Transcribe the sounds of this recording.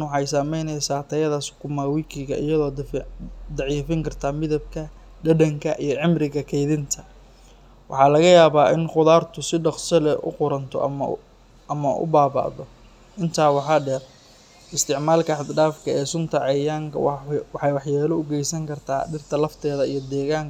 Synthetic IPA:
nwɑħɑjsɐmɛjnɛjsaːt̪ʰɐjɐðɐsʊ̥kʰʊmaːwɪkʰɪɣɐʔɪ̰jɐðɔːd̪d̪ɑʕiːfɪŋkʰɐrt̪ʰaːmɪðɐb̚kʰɐ | ɖɐɖɐŋkʰɐʔijɞʕɪmrɪɣɐkʰɛjðɪnt̪ʰɐ | wɑ̰ħɑːlɐɣɐjaːβaːʔɪnqʊðaːrt̪ʰʊsɪɖɑqsɐlɛʔʊ̰qʊɾɐnt̪ʰɔ̰ʔɐ̰mɐ | ʔɐmɐʔʊ̰baːba̰ʔðɔ | ʔɪnt̪ʰaːwɑħɑːɖɛr | ɪst̪ʰɪʕmaːlkʰɐħɑd̪ɖaːfkʰɐɛːsʊnt̪ʰɐʕɑjaːŋkʰɐ̰wwɑħɑjwɑħjaːlɔʊɡɛjsɐŋkʰɐrt̪ʰa̰ːɖɪrt̪ʰɐlɐft̪ʰɛːðɐijɔd̪ɛːɣaːŋk

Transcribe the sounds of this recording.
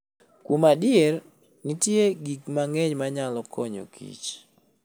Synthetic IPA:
kumadɪɛr | nitjeɡikmaŋɛɲmaɲalɔkʰɔɲo̰kʰḭt͡ʃ

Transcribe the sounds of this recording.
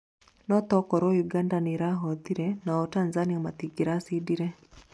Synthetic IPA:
nɔt̪ɔkɔɾɔjuɡandaniɾaɦɔt̪iɾɛnaɔtanzaniɔmat̪iɡiɾasidiɾɛ

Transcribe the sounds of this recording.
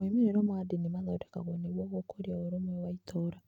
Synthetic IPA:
emiɾeɾomwadinimalautekaɣoneβwoːkokoɾjaoɾomwewaitʰoːɾa

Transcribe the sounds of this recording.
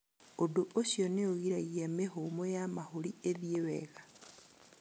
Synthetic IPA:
odoosjoneoɣiɾaɣiamehomojamahulieðjewḛɣḁ

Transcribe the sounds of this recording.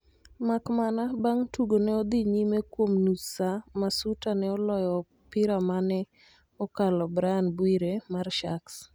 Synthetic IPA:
makmanabaŋtuɡonɛɔd̪iɲimekwomnusamasutanɛɔlɔjɔ | pɪɾamanɛ | ɔkalɔbɾaanbwiɾemarʃaks

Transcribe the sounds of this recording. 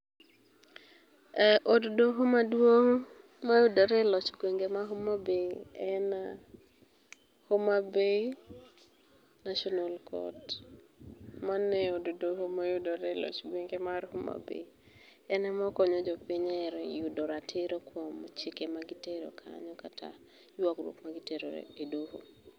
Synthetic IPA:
ɛʔoddoɦomadwoŋ | majudɔɾɛlɔt͡ʃɡweŋɡemaɦomabeɛna | homabe | naʃɔnalkʰɔ̰t | manɛodudoɦomajudɔɾɛlɔ̰t͡ʃɡweŋɡemaɾhoma̰bḛ | ɛnɛmɔkɔɲɔd͡ʒɔpɪɲɛɾjudɔɾatʰɪɾokwɔmt͡ʃɪkemaɡɪteɾo̰kʰa̰ɲɔkatʰa̰ | jwakɾwo̰kmaɡɪteɾo̰edoɦo̰

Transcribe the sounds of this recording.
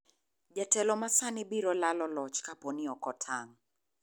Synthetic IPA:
d͡ʒatɛlɔmasanɪbiɾɔlalɔlɔt͡ʃkapɔniɔkɔtʰaŋ

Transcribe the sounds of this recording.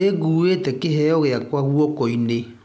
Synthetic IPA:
eɡuetɛkɪɦɛɔɣeakwaɣuɔkɔine

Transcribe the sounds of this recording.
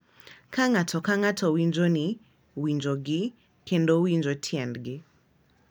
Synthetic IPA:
kaŋatʰɔkaŋatʰɔwiɲd͡ʒoni | wiɲd͡ʒoɡɪ | kendowiɲd͡ʒotʰjɛndɡɪ

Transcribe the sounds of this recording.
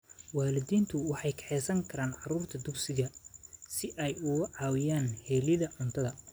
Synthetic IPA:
waːlɪðiːnt̪ʰʊwɑħɑjkʰɛ̥ħɛːsɐŋkʰɐɾaːnʕɑɾuːrt̪ʰɐd̪ʊksɪɣɐsɪʔɛjʊɣʕɑːwɪjaːnhɛːlɪðɐʕʊnt̪ʰɐðɐ

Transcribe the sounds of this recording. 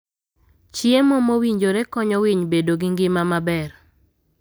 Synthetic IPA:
t͡ʃjemɔmowiɲd͡ʒoɾekɔɲɔwɪɲbedoɡiŋɡɪmamabɛr

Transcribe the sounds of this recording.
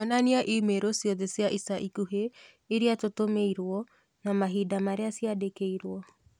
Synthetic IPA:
ɔnaniaʔimeɾosjɔðɛsiaʔisaʔikuɦe | iɾiatotomeiɾwɔ | namaɦiːdamaɾeasiadekeiɾwɔ

